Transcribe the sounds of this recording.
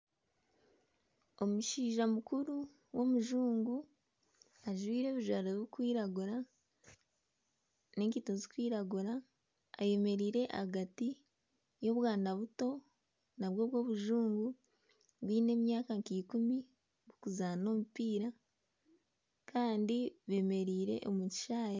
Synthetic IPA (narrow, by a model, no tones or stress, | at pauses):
o̞muʃiːʒamukuɾu | wo̞muʒuːŋɡu | aʒwiːɾe̞ːβuʒwaɾoβukwiːɾaɡuɾa | ne̞ːŋkitozikwiːɾaɡuɾaː | je̞me̞ɾiːɾe̞ʔa̰haɡati | jo̞ːβwaːndaβuto̞ | naβwo̞ːβwo̞ːβuʒuːŋɡu | βwiːne̞ːmjaːkaŋkikumi | βukuzano̞ːmupiːɾa | kʰaːndiβe̞ːme̞ɾiːɾe̞̰ʔo̞muci̥ʃaːje